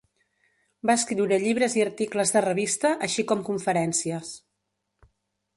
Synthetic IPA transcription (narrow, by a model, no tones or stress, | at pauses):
baəskɾiwɾəʎiβ̞ɾəziəɾt̪ikləzðərəβ̞ist̪əʔəʃikɔmkuɱfəɾɛnsiəs